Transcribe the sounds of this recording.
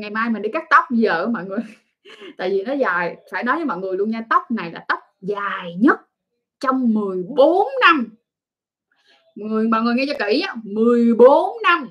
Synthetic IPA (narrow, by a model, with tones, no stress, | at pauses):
ŋa˨˩jmaː˧jmi˨˩nɗi˧kaː˦˥k̚t̪ə˦˥wk͡p̚zə̰ː˧˨mɔ̰˧˨jŋɨ˨˩əj | t̪a̰ː˧˨jvi˨˩nɔ˨˦zaː˨˩jfa̰ː˧˥jɗɔ˨˦ja˨˦mɔ̰˧˨ŋɨ˨˩əjlu˧əɲaː˧t̪ə˦˥wk͡p̚na˨˩jlaː˨˩t̪ə˦˥wk͡p̚zaː˨˩jɲə˦˥t̚ | t͡ɕɔ˧wŋ͡mmɨ˨˩əjɓo˨˦nːa˧m | ŋɨ˨˩əjmɔ̰˧˨ŋɨ˨˩ŋɛ˧t͡ɕɔ˧ki˧˩ɲa˨˦mɨ˨˩əjɓo˨˦nːa˧m